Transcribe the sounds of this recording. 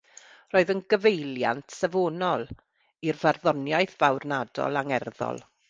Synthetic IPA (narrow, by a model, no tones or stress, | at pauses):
roːɨðənɡəvejlja̰ntʰsɛvoːnɔlˠ | irvarðɔnjajθv̥awrnadɔ̰lˠaŋɛrðɔ̰lˠ